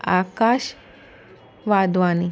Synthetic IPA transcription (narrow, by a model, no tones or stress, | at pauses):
akaʃ | ʋad̪ʋani